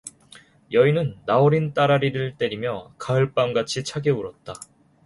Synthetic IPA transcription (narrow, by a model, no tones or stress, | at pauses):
jʌinɯnːaoɾint͈aɾaɾiɾɯɭt͈e̞ɾimjʌkaɯɭp͈amɡat͡ɕʰit͡ɕʰaɡe̞uɾʌt̚t͈a